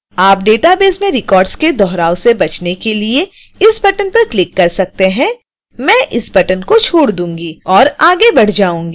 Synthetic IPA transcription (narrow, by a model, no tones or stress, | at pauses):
aːp̚ɖeːʈabeːzmẽɾɪkɔːɾɖsked̪ɔːɦɾaːwsebɐt͡ʃnekelie | ɪsbɐʈənpɐɾklɪkːɐɾsɐk̚t̪eɦɛ̃ | mɛ̃ːʔɪsbɐʈənkot͡ʃʰoːɽd̪ũːŋɡiɔːɾaːɡebɐɽ̤d͡ʒaːũːŋɡi